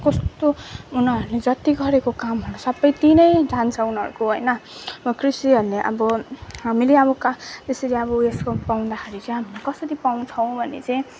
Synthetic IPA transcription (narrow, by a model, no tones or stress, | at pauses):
kʌst̪ounʌɾuled͡zʌt̪iɡʌɾekokamɦʌɾusʌbʌjt̪inʌjd͡zant͡sʰʌunɦʌɾukoɦojnʌʌbʌkrisiʌɾuleʔʌ̰bʌɦamileʌbʌkt̪esʌɾiʌβʌeskopaw̃nd̪akʰaɾit͡sʌĩɦamilekʌsʌɾipaw̃nt͡sʰʌw̃bʱʌnḛt͡sʌj̃ĩ